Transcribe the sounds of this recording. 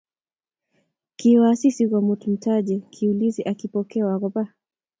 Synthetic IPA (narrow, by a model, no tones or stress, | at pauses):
kiwasisikɔmutum̩taʄɛkʰiuliziʔakipɔkɛwakɔpa